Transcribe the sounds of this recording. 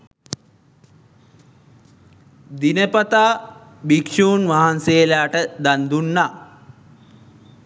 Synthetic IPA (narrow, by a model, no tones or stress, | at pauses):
d̪inəpat̪aː | bikʂuːnʋaɦansejlaːʈəd̪and̪unːa